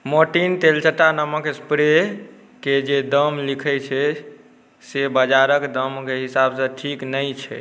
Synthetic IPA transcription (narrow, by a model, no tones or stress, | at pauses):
moʈint̪elt͡ʃəʈanəməkespɾe | ked͡ʒed̪əmlikʰɛt͡ʃʰɛ | sebəd͡ʒaɾəkd̪əmkeɦisabsə̃ʈʰiknəjt͡ʃʰɛ̰